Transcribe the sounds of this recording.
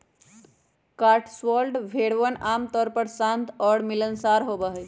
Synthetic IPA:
kaʈʰsʋəlɖbʱeɽʋənamt̪ɔɾpəɾsãnt̪ʰɔɽmilənsaɾɦobəɦəj

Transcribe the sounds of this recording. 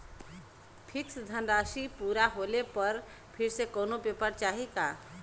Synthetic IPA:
pʰɪksd̪ʱənɾaːʃipuːɾaɦolepəɾ | pʰɪɾsekoːnopepəɾt͡ʃaːɦika

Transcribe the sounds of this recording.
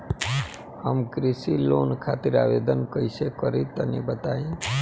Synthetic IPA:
əmkɾisilonkʰat̪iɾa̰ʋed̪ənkəisekəɾit̪ənebət̪aĩ

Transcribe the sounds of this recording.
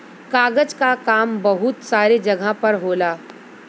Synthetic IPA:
kaːɡəd͡ʒkakaːmbɐɦʊt̪saːɾid͡ʒɐɡʱãpɐɾɦoːlaː

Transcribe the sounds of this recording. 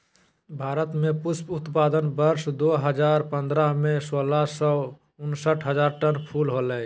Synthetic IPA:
bʱaːɾət̪mepʊsput̪paːd̪ənbəɾsd̪oɦəd͡ʒaɾpə̃nd̪ɾamesolasɔ | ʊnsəʈʰɦəd͡ʒaːɾʈənpʰulɦoləj

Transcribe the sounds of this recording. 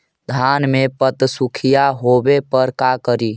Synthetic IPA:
d̪ʱanmepət̪sukʰijaɦobepəɾkakəɾi

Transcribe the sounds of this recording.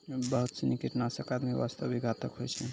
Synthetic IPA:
bəɦut̪sənikiʈnasəkad̪miʋa̰st̪əbiɡʱat̪əkɦojt͡ʃʰɛ

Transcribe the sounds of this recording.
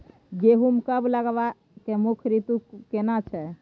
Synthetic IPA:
d͡ʒeɦumkəbləɡʋa | kemukʰɾit̪ukenat͡ʃʰɛ

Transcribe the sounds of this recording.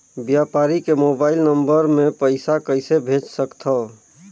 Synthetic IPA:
bjapaɾikemobailnəmbəɾmepəɪsakəɪsebʱet͡ʃsəkt̪ʰə

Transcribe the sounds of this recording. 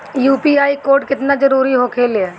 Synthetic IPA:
juːpiaːikoːɾʈ̚kɪt̪nad͡ʒəɾuːɾiɦokʰeːlɦɛː

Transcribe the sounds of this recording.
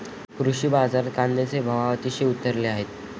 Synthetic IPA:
kɾuɕiːbad͡zaɾkand̪et͡sebʱəʋaʋət̪iːɕeut̪əɾleaɦet̪

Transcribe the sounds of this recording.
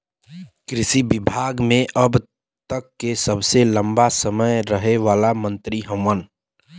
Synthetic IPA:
kɾɪsibɪbʱaːɡmẽʔəb | t̪əkːesəbselə̃mbasəməjɾəɦeʋaːlamə̃nt̪ɾiɦə̃wən

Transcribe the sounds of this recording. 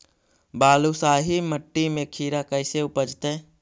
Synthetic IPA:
baːlusaːɦiməʈːimẽkʰiːɾakəɪseʊpəd͡ʒt̪ẽ

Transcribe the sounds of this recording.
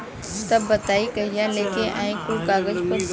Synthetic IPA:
t̪ɐbːɐt̪aːikɐɦijaleːkeʔaːĩkukaːɡəd͡ʒpə

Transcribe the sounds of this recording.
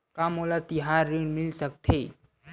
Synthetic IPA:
kamolat̪iɦaɾːiɖmilsək̚t̪ʰe

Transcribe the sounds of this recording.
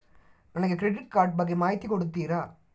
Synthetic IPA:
nɐnɐkːɯkɾɛɖɪʈ̚kaːɾʈ̚bɐɣɐmaːjt̪ːikɔɽɯt̪ːiːɾaː

